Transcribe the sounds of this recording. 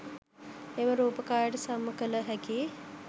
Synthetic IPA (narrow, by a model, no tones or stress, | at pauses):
eməɾuːpəkaːjəʈəsamːəkələɦæki